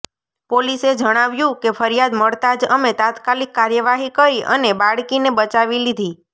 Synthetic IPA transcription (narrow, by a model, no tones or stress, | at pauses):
polised͡ʒəɽ̃aʋjũkefʰəɾjad̪məɭt̪ad͡ʒəmet̪at̪kalikːaɾjəʋaɦikəɾiʔə̰nebaɽkinebət͡ʃaʋilid̪ʱi